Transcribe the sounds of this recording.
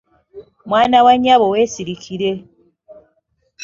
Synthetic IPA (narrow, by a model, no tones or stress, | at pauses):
mwaːnawaɲaβowesiɾikʰiɾe